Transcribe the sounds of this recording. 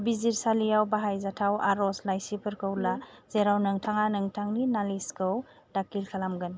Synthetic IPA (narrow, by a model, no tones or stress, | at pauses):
biziɾsalijawbaɦajzatʰawaɾɔslajsipʰɯɾkʰɯwlaz̥eɾawnɯŋtʰaŋanɯŋtʰaŋninaliskʰɯw | d̥akilkʰalamɡɯn